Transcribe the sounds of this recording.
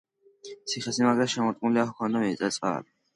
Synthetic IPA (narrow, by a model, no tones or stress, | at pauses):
sʰiχɛsimaɡɾaʃɛmɔt̪ʼkʼnuliahkʰɔnamɛtsʼɛt̪sʼqʼa̰li